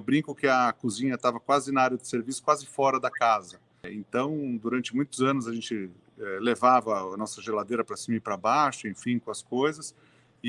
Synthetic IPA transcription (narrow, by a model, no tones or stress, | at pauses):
wbɾĩŋkʊkɪɐkuzĩɲɐt̪avɐkwazɪnaaɾjɐd̪ɪseɾvisʊ̥kwazɪfɔɾɐd̪ɐkazɐ | ḛ̃nt̪ɐ̃w̃d̪uɾɐ̃nt͡ʃɪmũj̃t̪ʊzɐ̃nʊzɐʒẽnt͡ʃɪ | ɛlevavɐnɔsɐʒelad̪ejɾɐpɾɐsumipɾɐbaʃʊẽfĩkõɐskojzɐs | ɪ